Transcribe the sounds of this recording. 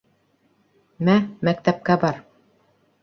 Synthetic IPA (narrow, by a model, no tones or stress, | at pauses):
mæmæk̚t̪æp̚kæbɑɾ